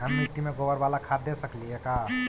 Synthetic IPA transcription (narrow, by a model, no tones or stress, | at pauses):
ɦɐmnɪʈimẽɡobəɾʋaːlakʰaːd̪d̪esəkliɦɛkaː